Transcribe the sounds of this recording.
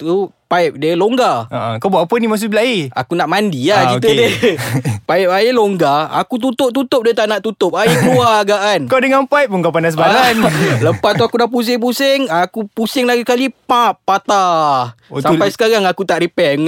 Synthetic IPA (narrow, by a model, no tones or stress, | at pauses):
t̪upaɪp̚diəloŋɡaəʔkabaʔpənimas̬ubilaia̰kunaʔmandiaik̪t̪ədə | paip̚ajeloŋɡaa̰kut̪̬ut̪ʊp̚t̪ut̪ʊp̚diət̪aʔnaʔt̪ut̪ʊp̚ajekluaɡaʔkankadəŋanpajp̚oŋkapandasbalanləpauakudahp̬us̬ɪŋp̬usɪŋakupusɪŋlaɡikalipãpːat̪a | sapajsə̥kaɾaŋakut̪aʔɾipɛŋ